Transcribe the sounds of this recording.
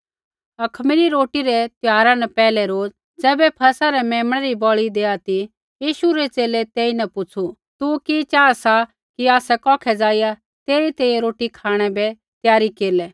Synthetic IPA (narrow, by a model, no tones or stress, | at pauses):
ɐkʰmɪliɾoːʈiɾɛt̪jaːɾanɛpɛːlɛɾoːd͡z | d͡zɛːbɛpʰɐsaɾɛmɛːməɽ̃aɾibɔɭid̪eːat̪i | jiːʃuɾɛt͡seːlɛt̪eːinɛpʊt͡sʰu | t̪ukit͡ʃaːasa | kiaːsɛkɔːkʰɛd͡zaːija | t̪eːɾit̪eːjɛɾoːʈikʰaːɽ̃ɛbɛ | t̪jaːɾikeːlɛː